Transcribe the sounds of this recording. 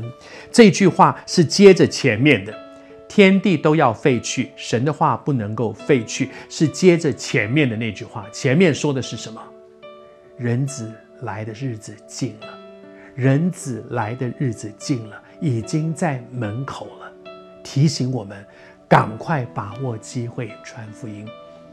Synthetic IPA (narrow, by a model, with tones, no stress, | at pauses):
ʈ͡ʂɤ˥˧i˧˥t͡ɕy˥˧xwa˥˩ʂɻ̩˥˩t͡ɕjɛ˥ʈ͡ʂə˨t͡ɕʰjɛ˧˥nmjɛ˥˩nd̪ə˩ | t̪ʰjɛ˥nt̪i˥˩t̪o˥ʊjɑ˥˧ʊfe˥˧ɪt͡ɕʰy˥˩ʂə˧˥nd̪ə˧xwa˥˧pu˥˩nɤ˧˥ŋko˥˧ʊfe˥˧ɪt͡ɕʰy˥˩ʂɻ̩˥˩t͡ɕjɛ˥ʈ͡ʂə˨t͡ɕʰjɛ˧˥nmjɛ˥˩nd̪ə˩ne˥˧ɪt͡ɕy˥˧xwa̰˥˩t͡ɕʰjɛ˧˥nmjɛ˥˩nʂwɔ˥d̪ə˨ʂɻ̩˥˩ʂə˧˥nmə˨ | ɻə˧˥nt͡sɹ̩˨˩ | la˧˥ɪd̪ə˧ɻɻ̩˥˩d͡zɹ̩˨˩t͡ɕi˥˩ŋlə˩ | ɻə˧˥nt͡sɹ̩˨˩la˧˥ɪd̪ə˧ɻɻ̩˥˩d͡zɹ̩˨˩t͡ɕi˥˩ŋlə˩i˨˩t͡ɕi˥ŋt͡sa˥˩ɪmə˧˥nkʰo˨˩ʊlə˦ | t̪ʰi˧˥ɕi˧˥ŋwɔ˨˩mə˦n | ka˨˩ŋkʰwa˥˩ɪpa˨˩wɔ˥˩t͡ɕi˥xwe˥˩ɪʈ͡ʂʰwa˧˥nfu˧˥i˥n